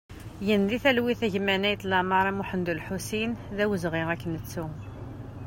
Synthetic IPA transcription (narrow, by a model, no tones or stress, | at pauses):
jənðiθælwiθæʝmænæjt̪lɑmɑɾˤæmuħənd̪ulħusinðæwəzʁiʁækːənət͡sːu